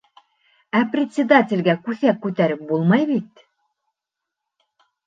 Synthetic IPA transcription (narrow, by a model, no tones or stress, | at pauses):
æprʲɪt̪ʲsʲɪd̪atʲɪ̆lʲɡækʉθækːʉt̪æɾɘp̚bulˠmɑjβit̪